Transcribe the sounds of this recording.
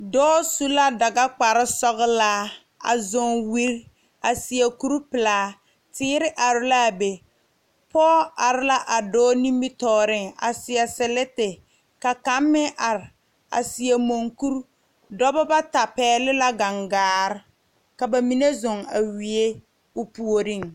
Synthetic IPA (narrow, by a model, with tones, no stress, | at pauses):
dɔː˦su˦la˦da˨ɡa˦k͡pa˨ɾɪ˦sɔ˦ɣɪ˦la˦ | a̰˨zʊ˨ŋwi˦ɾ | a˨si˨a˨ku˦ɾu˦pɪ˨laː˨˦ | tɪː˦ɾɪ˦ʔa˨ɾɪ˦la˦˨be˨ | pɔː˦a˨ɾɪ˦la˦ʔa˨dɔː˦ni˦mi˦tɔː˨ɾɪ˦ŋa̰˨sɪ˨ɛ˨sɪ˨lɛ˦tɪ˨ | ka˨ka˦mːɪ˦ʔa˨ɾɪ˨ | a̰˨si˨e˨mo˨ŋku˦ɾ | dɔ˦bɔ˦ba˦ta˨pɛː˨˦lɪ˦la˦ɡa˨ŋɡaː˨˦ɾɪ˦ | ka˨ba˨mi˦ne˦zʊ˨ŋa˨wi˨e˦ | ʊ˦pu˨o˨ɾi˦˨ŋ